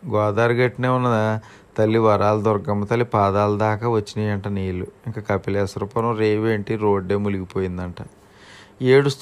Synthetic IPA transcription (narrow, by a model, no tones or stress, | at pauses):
ɡɔːd̪aːɾɡɐʈːɐneːunːɐ | t̪ɐlːiʋɐɾaːlɐd̪ɔɾɡɐmːɐt̪ɐlːipaːd̪aːlud̪aːkɐʋɐt͡ʃːinɐjɐɳʈɐneːluiŋkakɐpilɛːsɐɾupɐɾɐmɾeːʋeːɳʈiɾoːɖeːmuliɡipo̞ːjind̪ɐɳʈɐ | eːɽust̪